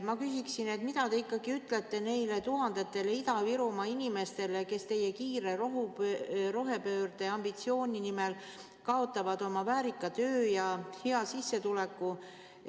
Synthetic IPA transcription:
mɑkysiksine̞t̪mid̪ɑt̪e̞ikːˑɑɡiyt̪ːˑle̞t̪ːˑe̞ne̞jlet̪uɦɑnd̪̥e̞t̪ːe̞lid̪ɑviɾumɑinʲime̞st̪e̞le̞ke̞st̪e̞jːekiːɾe̞roɦupɾo̞ɦe̞pø̞ːrd̪̥e̞ɑmbit̪sio̞ːnʲinime̞l | kɑo̞t̪ːˑɑvɑd̪̥o̞mɑvæːɾikˑːɑt̪ø̞ːjɑheɑsisːe̞t̪ulekːˑu

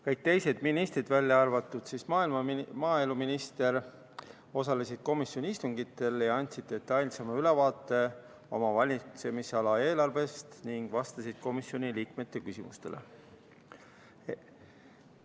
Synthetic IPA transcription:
kɤjk̚t̪e̞jse̞d̪̥minist̪ɾid̪vælʲːjɑɑrvɑt̪ːˑud̪̥sismɑːilmɑmɑːe̞luminist̪e̞ɾ | o̞sɑle̞sid̪̥̚ko̞misjo̞nʲiist̪uŋɡ̥it̪ːˑe̞ljɑɑnʲt̪ʲsid̪̚e̞t̪ːˑɑjlʲsemɑylevɑːt̪ˑːe̞ | o̞mɑvɑlʲise̞miseɑlɑe̞ːlɑrve̞st̪niŋɡ̥vɑst̪ɑsid̪̥̚ko̞misjo̞niliːkme̞t̪ːe̞kysimust̪e̞̰lḛ

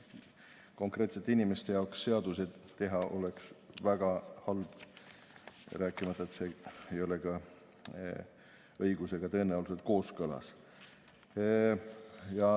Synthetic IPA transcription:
ko̞ŋkreːt̪se̞t̪ːeinimest̪e̞jɑoksːe̞ɑd̪̥used̪̥t̪e̞ɦɑʔo̞̰le̞ksvæɡ̥ɑhɑlb̥ | ɾæːkːˑimɑt̪ːˑɑet̪seejo̞le̞kɑ | ɤjɡ̥use̞ɡ̥ɑt̪ɤeneolus̬et̪̚ko̞ːskɤlɑ̰s | jɑ

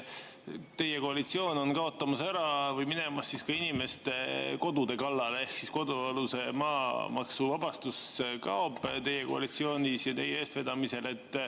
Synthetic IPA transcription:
t̪e̞jeko̞ɑlit̪sio̞ːno̞nkɑo̞t̪ːˑɑmɑsæɾɑvɤjmine̞mɑsːiskɑinime̞st̪e̞ko̞d̪ud̪e̞kɑlːɑlee̞hksisko̞d̪̥uɑluse̞mɑːmɑksuvɑb̥ɑst̪uskɑobt̪e̞jeko̞ɑ̰lit̪sio̞ːnʲisjɑt̪e̞jeeːst̪ve̞d̪̥ɑmise̞le̞t̪ːˑ

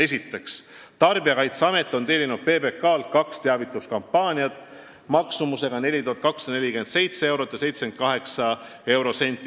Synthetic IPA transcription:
e̞sʲit̪ːˑe̞ks | t̪ɑrbiɑkɑjt̪seɑme̞t̪ːˑo̞nt̪e̞ːlʲinud̪̥̚pe̞ːbe̞kːɑːlt̪̚kɑkst̪eɑvit̪ːˑuskɑmpːɑːnʲiɑt̪ˑː | mɑksumuse̞ɡ̥ɑne̞lʲit̪uhɑt̪̚kɑksɑne̞lʲikymend̪se̞jt̪se̞e̞wɾo̞t̪ːˑjɑse̞jt̪sme̞nt̪̚kɑɦe̞ksɑ | e̞wɾo̞se̞nʲt̪ːˑi

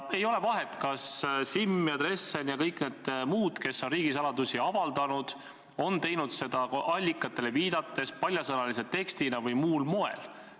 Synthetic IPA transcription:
e̞jo̞le̞vɑɦet̪ˑkɑssimːjɑd̪re̞sːenjɑkɤjkne̞d̪̥muːd̪̥ke̞sːo̞nriːɡ̥isɑlɑd̪usiɑvɑld̪̥ɑnud̪̥ | o̞nt̪e̞jnud̪̥se̞d̪̥ɑʔɑlʲːikːˑɑt̪ːˑe̞le̞viːd̪̥ɑt̪ːˑe̞spɑlʲjɑsɤnɑlis̬et̪ːe̞kst̪inɑvɤjmuːlmo̞e̞̰l

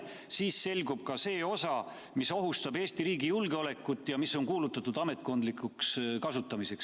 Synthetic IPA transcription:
siːsːe̞lɡub̥̚kɑse̞ːo̞sɑ | miso̞ɦust̪ɑbe̞ːsʲt̪iɾiːɡijulɡ̥eo̞le̞kːˑut̪ːˑjɑmisːo̞nkuːlut̪ːˑɑt̪ːˑud̪̥ɑme̞t̪ˑko̞nd̪likːˑukskɑsut̪ːˑɑmise̞ks

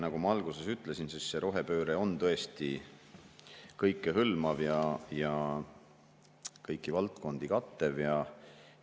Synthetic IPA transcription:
nɑɡ̥umɑɑlɡ̥use̞syt̪ˑle̞sinsisːeɾʔo̞ɦe̞pø̞ːɾeo̞nt̪ɤe̞st̪i | kɤjkːeɦɯlmɑvjɑjɑ | kɤjkːˑivɑlt̪ko̞nd̪̥ikɑt̪ːe̞vjɑ

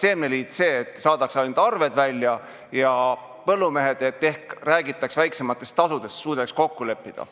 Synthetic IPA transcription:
se̞ːmneliːd̪se̞ːt̪ːˑsɑːd̪̥ɑksɑjnud̪ɑrve̞d̪vælʲjɑ | jɑ | pɤlːume̞ɦe̞d̪̥et̪ːe̞hkræːɡit̪ːˑɑksvæjkse̞mɑt̪ːˑe̞st̪ɑsud̪̥e̞st̪suːd̪̥eksko̞kːule̞pːid̪̥ɑ̰

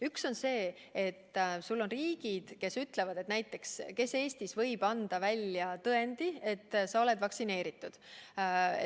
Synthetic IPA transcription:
ykso̞nse̞ː | et̪ːˑsulːo̞nriːɡ̥id̪̥ke̞syt̪le̞vɑd̪̥e̞t̪næjt̪ˑːe̞kske̞se̞ːst̪isvɤ̞jb̥ɑnd̪̥ɑvælʲjɑt̪ɤe̞nd̪̥ie̞t̪ːsɑo̞le̞d̪̥vɑksine̞ːɾit̪ːˑud̪̥̰

